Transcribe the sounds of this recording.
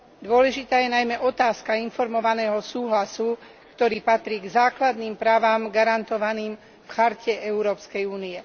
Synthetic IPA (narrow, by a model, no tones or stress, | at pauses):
d̪ʊɔlɛʒit̪aːjɛnajmɛʔɔt̪aːskainfɔɾmɔʋanɛːɦɔsuːɦlasu | kt̪ɔɾiːpat̪ɾiːɡzaːklad̪niːmpɾaːʋaːmɡaɾant̪ɔʋaniːm | fxaɾcɛɛuɾɔːpskɛjuːniɛ